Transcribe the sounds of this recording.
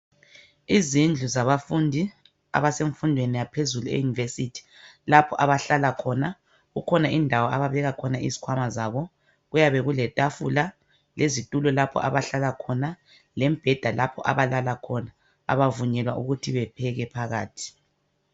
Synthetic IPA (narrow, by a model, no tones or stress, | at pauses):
izind͡ɮʱuzaβafundʱi | a̰βaseɱfundʱwenijapʰezuluḛjunivesitʰi̥ | lapʰɔ̰ʔaβaɬalakʰɔna | ɣukʰɔnaʔindʱawɔaβaβɛɣakʰɔnaʔḭzi̥kʰwamazaβɔ | ɣujaβɛɣulɛtʼafṵla | lezitʼulɔlapʰɔ̰ʔa̰βaɬalakʰɔna | lɛm̩b̥ʱɛd̥ʱalapʰɔ̰ʔa̰βalalakʰɔna | a̰βavuɲɛlwa̰ʔuɣutʰiβɛpʰɛɣɛpʰaɣa̰ːtʰi̥